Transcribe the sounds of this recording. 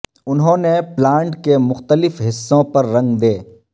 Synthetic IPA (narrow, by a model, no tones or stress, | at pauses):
ʊnɦõːneplaːɳʈkemʊxt̪əlɪfɦɪsːõpɐɾːɐ̃ŋɡd̪eː